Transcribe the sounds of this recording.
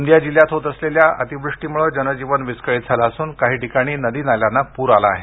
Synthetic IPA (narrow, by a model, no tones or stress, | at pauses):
nd̪jad͡ʑiljat̪ɦot̪əsleljaə̰t̪ibɾuʂʈiːmuɭəd͡ʑənəd͡ʑiʋənʋiskəɭit̪̚d͡zʱalaəsuːnkaɦiːʈikaɽ̃iːnəd̪iːnaljanːapuɾalaːɦe